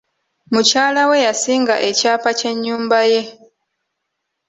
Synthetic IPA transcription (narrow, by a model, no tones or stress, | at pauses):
mucaːlawe̞jasiːŋɡaʔe̞caːpace̞ɲːuːmbaje̞